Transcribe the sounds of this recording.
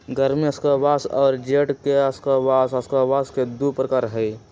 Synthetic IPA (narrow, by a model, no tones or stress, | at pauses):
ɡəɾmiɐskəbaːsɔːɾd͡ʒeːʈkeɐskəbaːsɐskəbaːsked̪upɾəkaːɾɦɛi